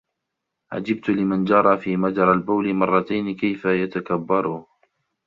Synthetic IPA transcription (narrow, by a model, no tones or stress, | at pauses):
ʕa̰d͡ʒɪb̚t̪ʊlɪmand͡ʒɑɾˤɑːfiːmad̪ɑɾˤalbaːlɪmɑrˤːɑt̪ajnɪkajfajat̪akabːɑɾˤʊ